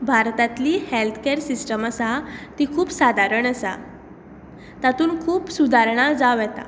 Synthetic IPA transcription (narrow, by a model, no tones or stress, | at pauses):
bʱaɾt̪at̪liːhelt̪ʰkeɾsisʈəmasat̪ikʰuːpsad̪ʱaɾəɳəsa̰ | t̪at̪uːnkʰuːpsud̪ʱaɾɳ̃ad͡zaʋjɛt̪a̰